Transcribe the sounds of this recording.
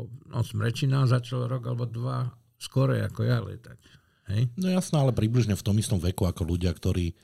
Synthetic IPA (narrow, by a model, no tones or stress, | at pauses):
ɔnɔ̰smɾɛt͡ʃinazat͡ʃalɾɔɡalɛbɔd̪ʋa | skɔɾɛ̰a̰kɔjalɛ̰t̪ak | hɛjnɔjasnɛalɛpɾibliʒɲɛft̪ɔmist̪ɔmʋɛkuakɔluɟɪakt̪ɔɾiː